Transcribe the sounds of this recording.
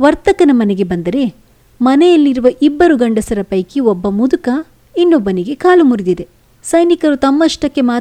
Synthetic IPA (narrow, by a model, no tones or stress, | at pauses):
ʋɐɾt̪ɐkɐnɐmɐneɡe̞bɐnd̪ɐɾe̞ | mɐnejɐlːiɾuʋɐʔibːɐɾuɡɐɳɖɐsɐɾɐpɐjkiɔbːɐmud̪ukɐ | inːobːɐniɡe̞kaːlumuɾid̪id̪e̞ | sɐjnikɐɾut̪ɐmːɐʂʈɐkːe̞maː